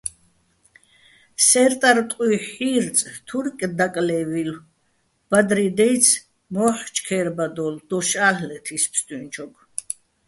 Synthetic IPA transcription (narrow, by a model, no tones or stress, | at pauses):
sɛɾt̪ʼaɾt̪ʼqʼiħiɾt͡sʼt̪ʰuɾkʼd̪akʼlɛvil | b̥ad̪ɾid̪ɛj̪sʰ | mɔːħt͡ʃʰkʰɛːɾbad̪ɔld̪̥ɔʃaːɬlɛt̪ʰispʰst̪ʼint͡ʃʰɔkʰ